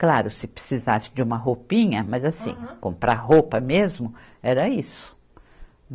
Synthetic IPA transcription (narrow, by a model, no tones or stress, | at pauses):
klaɾʊsɪpɾe̥sizasɪ̥d͡ʒɪũmɐɦopĩɲɐmɐzasḭ̃kõpɾaɦopɐmezmʊ | ɛɾɐisʊ̥